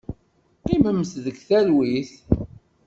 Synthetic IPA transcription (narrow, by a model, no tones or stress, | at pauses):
qiməmːsðəɡθælwiθ